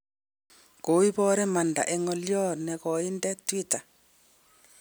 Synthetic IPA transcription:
ko˨˦wi˦βɔ˦ɾɛ˦ma˨nda̰˨ʔɛ˦ŋɔ˨ljɔ˦nɛ˨kɔ˨i˦ndɛ˦twi˦ta˨

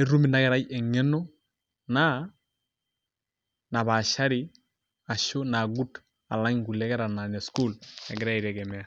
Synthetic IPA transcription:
ɛ˦ɾu˦mi˨na˦ɡɛ˨ɾa˦jɛ˨ŋɛ˦nɔ˦ | na˦ | na˨ba˨ʃa˦ɾi˦ | a˨ʃo˦na˨ɡu˦t | a̰˨la˦ɲɡu˨lɛ˦ɡɛ˦ɾa˨na˨nɛ˨sku˦˨lɛ˨ɡɪ˦ɾa˦i˨ɾɛ˨ɡɛ˨mɛ˨a˨

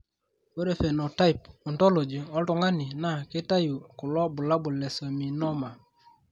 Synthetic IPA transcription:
o˦ɾe˦˨fe˨nɔ˨ta˦i˨p̚ɔ˨ntɔ˦lo˨d͡ʒi˨ɔ˦ltɔ˨ŋɡa˦nɪ˨na˦˨kɪ˦ta˦ju˨kʊ˨lɔ˦bʊ˨la˦bʊ˨lɛ˨sɔ˨mi˨nɔ˦ma˨

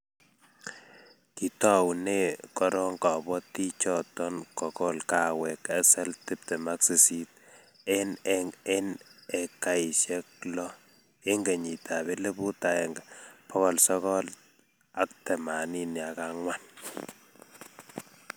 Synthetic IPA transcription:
ki˨tɔ˦wne˦kɔ˦ɾɔ˦ŋkɔ˨bɔ˦ti˦t͡ʃɔ˦tɔ˦nkɔ˨kɔ˦lka˨wɛ˨kɛ˦sɛ˦ltɪ˦p̚tɛ˨ma˦ksi˨si˦t̚ | e˦ne˦ne˨ka˨i˨ʃɛ˦k̚lɔ˦ | e˦ŋɡe˨ɲi˨tʰa˨βe˦le˦bu˦ta˨ɛ˨ŋɡa˨pɔ˦kɔ˨lsɔ˦kɔ˦l | a˨˦k̚tɛ˨ma˨ni˦ni˨a˨ka˦ŋwa˦n

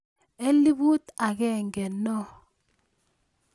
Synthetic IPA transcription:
e˦li˦bu˦t̪a˨ɣɛ˦˨ŋɡɛ˨nɔ˦

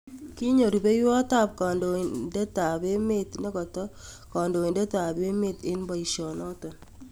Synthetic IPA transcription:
ki˦ɲo˨ɾu˨be˦jwɔ˦ta˦˨p̚kɔ˨ndo˨nde˦ta˨be˦me˦tne˦kɔ˨tɔ˦ | kɔ˨ndo˨e˨nde˦ta˨be˦me˦tɪ˦nbɔ˨i˨ʃɔ˨nɔ˦tɔ˨n

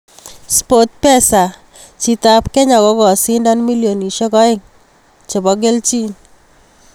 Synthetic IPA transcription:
spo˨t̚pɛ˦sa˨ | t͡ʃi˦ta˦pkɛ˦ɲa˨kɔ˨˦kɔ˨sɪ˦ndɔ˦nmi˦ljo˨ni˨ʃɔ˦kɔ˦ɪ˦ŋ | t͡ʃe˨bɔ˨˦ɡe˦lt͡ʃi˦n

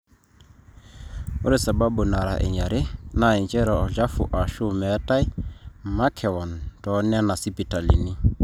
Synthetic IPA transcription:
ʊ̰˦ɾɪ˦˨sa˨ba˦bʊ˨na˨ɾa̰˨ʔɛ̰˨ɲa˨ɾe˦na˨ɛ˨nt͡ʃʼɛ˦ɾɔ˨ɔ˨d͡ʒa˦fṵ˨ʔa˨ʃu˦mɛ˨˦ta˦ɪ˦ma˦kʰɛ˨ɔ˨ntɔ˨˦nɛ˦na˨si˦pi˨ta˨lḭ˨ni˦

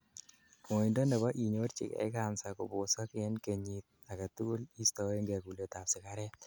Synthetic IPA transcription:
mo˨i˨ndɔ˦ne˨ba˦ʔi˨ɲo˦ɾt͡ʃɪ̰˨kɛ̰˨ɪ˦ka˨nsa˨kɔ˨bʊ˨sa˦kɪɛ˦nke˨ɲi˨t̪̚a˨ka˨t̪u˦li˦st̪ɔ˨˦e˦ŋɡe˨ku˨le˨t̪a˨psɪ˨ka˦ɾɛ˦

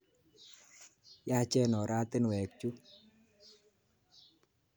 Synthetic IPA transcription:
ja˦t͡ʃɛ˦nɔ˨ɾa˦t̪ɪ˦nwɛ˨k̚t͡ʃu˦

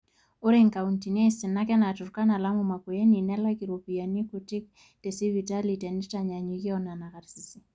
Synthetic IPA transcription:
o˦ɾeŋka˨unti˨nɛ˦si˨na˦kɛ˦na˨tu˨ɾka˦na˨la˦muma˨ku˨je˦ni˨nɛ˦la˦ki˨ɾopi˨ja˨ni˦kuti˦k̚ | te˨si˦vita˦litɛ˨ni˦ta˨ɲa˨ɲi˨ki˦ɔna˨na˨ka˨ɾsi˨si˦

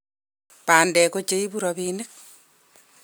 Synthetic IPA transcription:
paː˨ndɛ˨ko˦t͡ʃe˦i˦buɾɔβiːnek̚

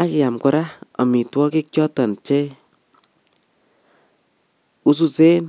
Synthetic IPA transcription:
a˦ka˨mkɔ˨ɾa˦ɔ̰˨mi˨twɔ˦ki˦k̚t͡ʃɔ˦ta˨nt͡ʃe˦ | u˦s̬u˦se˦n

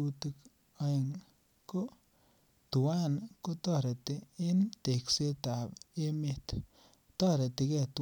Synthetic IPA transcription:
u˧tik | ae˨ŋ | ko˦ | tu˨wa˦nko˦tɔ˦˨ɾe˨ti˦ɪ˦nte˨kse˦ta˨pe˦me˦t | tɔ˦ɾe˨ti˨kɛ˨t

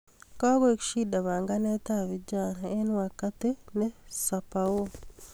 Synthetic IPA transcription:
ka˦ɡɔ˦e˦kʃi˦da˨βa˨ŋɡa˦nɛ˦t̪avi˨d͡ʒanae˦n˦a˨ka˦t̪e˦nɛ˦sa˨pawo˦

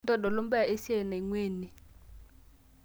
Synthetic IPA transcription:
ndɔ˦˨dɔ˨lɔ˦mbɛ˦˨e˦si˦ɛ˨na˨i˨ŋweː˦˨ni˨

